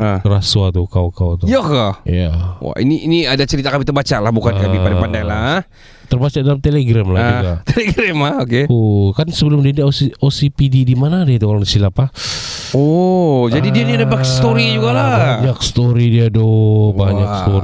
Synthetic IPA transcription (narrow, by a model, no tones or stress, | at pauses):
ərasuat̪ukawkawt̪ujakaḭjawa̰ʔḭniʔiniadat͡ʃəɾit̪akamit̪ərbat͡ʃalahbukankamipadapandaŋlah | t̪ərbat͡ʃaʔdalamt̪eleɡɾamlad͡ʒuɡat̪eleɡɾɛmlaokeokansəbəlʊmdiadiosiosipididimanadiit̪ukalnsilapa | ɔd͡ʒadidianiadabakst̪oɾid͡ʒuɡalabaɲak̚sə̥t̪oɾidiadɔbaɲakst̪o